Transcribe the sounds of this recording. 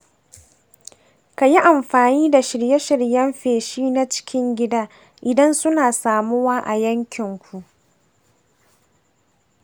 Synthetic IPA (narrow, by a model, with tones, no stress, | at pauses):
ka˨ji˦ʔa˨mɸaː˨niː˦da˨ʃɪ˨ɽje˦ʃɪ˨ɽjɐ˦mɸeː˨ʃiː˦na˦t͡ʃɪ̥˦kʲɪ˦ŋɡʲɪ˦daː˦ | ʔɪ˨dɐ˦nsʊ˦naː˨saː˨mu˦waː˦ʔa̰˨jɐ˦ŋkʲʰɪ˨ŋkʷu˨ʔ